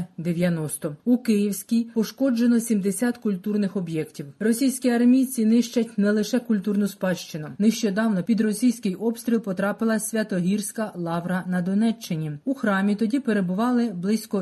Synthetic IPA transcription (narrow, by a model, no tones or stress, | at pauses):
d̪eʋʲjɐnɔst̪ɔukɪjiwsʲkʲijpɔʃkɔd͡ʒe̞nɔsʲimd̪esʲɑt̪kʊlʲt̪urnɪxɔbjɛktʲiwrɔsʲijsʲkʲiɐrmʲijt͡sʲinɪʃt͡ʃɐtʲnɛlˠɪʃɛkʊlʲt̪urnʊspɑʃt͡ʃɪnʊnɪʃt͡ʃɔd̪ɑwnɔpʲid̪ɾɔsʲijsʲkɪjʔɔbst̪ɾʲilˠpɔt̪ɾɑpɪlˠɐsʲʋʲɐt̪ɔɦʲirsʲkɐlˠɑwɾɐnɐd̪ɔnɛt͡ʃːɪnʲiuxɾɑmʲit̪ɔdʲipe̞ɾe̞bʊʋɑlˠɪblˠɪsʲkɔ